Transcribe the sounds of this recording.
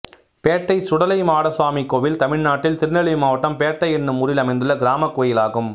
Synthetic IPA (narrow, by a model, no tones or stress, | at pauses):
peːʈːɐɪsʊɽɐlɐɪmaːɽɐsʋaːmikoːʋɪlt̪ɐmɪɻnaːʈːɪlt̪ɪɾnɐɭɪjmaːʋɐʈːɐmpeːʈːɐɪɛnːɯmʊɾɪlɐmɐɪnd̪ɯɭːɐɡɪɾaːmɐkːoːjɪlaːɣɯm